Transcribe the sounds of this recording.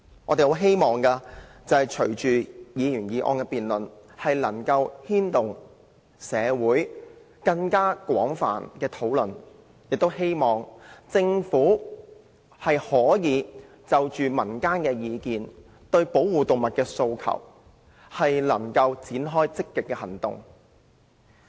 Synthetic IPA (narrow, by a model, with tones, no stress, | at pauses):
ʔɔː˨˧d̪e˨ho˨˧˥wɦe˥jmɔː˨ŋkaː˧t͡sɐ˨˩hɐ˨jt͡ʃʰɵ˨˩ɥt͡ʃyː˨jiː˨˧jyː˨˩njiː˨˧ʔɔ̰ː˧nkɛː˧piː˨nlɵ˨nhɐ˨jlɐ˨˩ŋkɐ˧whiː˥nt̪ʊ˨ŋ | sɛː˨˧wuː˨˥j | kɐ˧ŋkaː˥kwʷɔː˨˥ŋfa̰ː˨nkɛː˧t̪ʰo˨˥wlɵ̰˨˩n | jɪ˨k̚t̪o˥whe˥jmɔː˨ŋt͡sɪ˧ŋfuː˨˥ | hɐ˨jhɔː˨˥jiː˨˧ | t͡sɐ˨wt͡ʃyː˨mɐ˨˩nkaː˥nkɛː˧jiː˨˧kiː˨n | t̪ɵ˧ɥpo˨˥wwuː˨t̪ʊ˨ŋmɐ˨t̚kɛː˧so˧wkʰɐ̰˨˩w | hɐ˨jlɐ˨˩ŋkɐ˧wt͡siː˨˥nɦɔː˥jt͡sɪ˥kːɪ˨k̚ːɛː˧hɐ˨˩ŋt̪ʊ̰˨ŋ